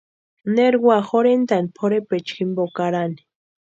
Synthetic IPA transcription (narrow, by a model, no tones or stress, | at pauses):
neɾɡwaxoɾend̪anpʰoɾepet͡ʃximbokaɾani̥